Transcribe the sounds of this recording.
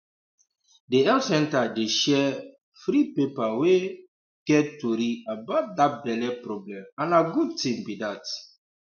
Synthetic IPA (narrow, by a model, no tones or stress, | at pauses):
deɛlsɛ̃ntadeʃɛ | fɾipepawe | ɡ̥ɛtoɾiabat̚dat̚bɛlɛpɾɔblɛ̃mãnaɡud̚tĩmbidat